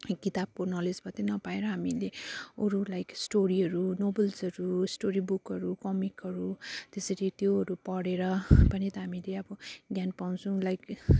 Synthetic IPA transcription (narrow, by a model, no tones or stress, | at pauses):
kit̪ab̚konʌled͡zbʱʌt̪enʌpaeɾʌɦamileoɾulajksʈoɾiɦʌɾunobʌlsʌɾusʈoɾibukʌɾukʌmikʌɾut̪esʌɾit̪joɦʌɾupʌɽeɾʌpʌnit̪ʌɦamileʌbʌɡjanpaw̃t͡sʰũlajk